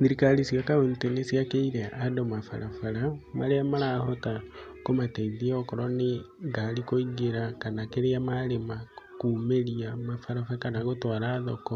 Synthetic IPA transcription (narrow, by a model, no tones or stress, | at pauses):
ðiɾikalisiakaontenesiakeiɾeʔadomafa̰ɾafaɾama̰ɾeamaɾaːhotakomateiðiokoɾɔneŋɡalikoiɡeɾakanakeɾeamaɾemakuːmeɾiamafaɾafaakanaɡotwaɾaðoko